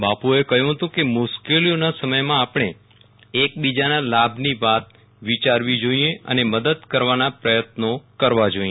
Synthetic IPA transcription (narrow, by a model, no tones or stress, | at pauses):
bapuekəɦjũɦət̪ũkemʊʃkelijonasəməjmãːpɳ̃e | ek̚bid͡ʒanalabʱniʋat̪̚ | ʋit͡ʃaɾʋid͡ʒoieʔə̰neməd̪əd̪kəɾʋanapɾəjət̪nokəɾʋad͡ʒoie